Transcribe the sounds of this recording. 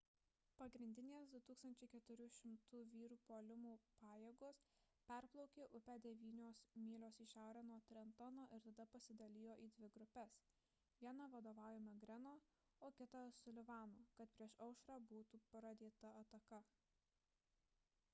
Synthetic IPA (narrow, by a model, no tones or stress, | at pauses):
pɐɡɾʲɪnʲd̪ʲɪnʲeːsd̪ʊt̪uːkst̪ɐnʲt͡ʃʲɛɪkʲɛt̪ʊɾʲʊʃʲɪmt̪ʊʋʲiːɾuːpoːlʲɪmuːpɑːjeːɡoːs | pʲɛɾplˠɔʊkʲeːʔʊpʲɛd̪ʲɛʋʲiːnʲoːsmʲiːlʲoːsiʃʲæˑʊɾʲæːnuɔt̪ʲɾʲɛnt̪ɐnoːʔɪɾt̪ɐd̪ɐpɐsʲɪd̪ɐlʲiːjoːʔiːd̪ʲʋʲɪɡɾʊpʲɛs | ʋʲiɛnɐʋɐd̪oːʋɑˑʊjʲemɐɡɾʲɛnoː | oːkʲɪt̪ɐsʊlʲɪʋɑːnoːkɐt̪pʲɾʲiɛʃɐʊʃɾɑːbuːt̪uːpɾɐd̪ʲeːt̪ɐɐt̪ɐkɐ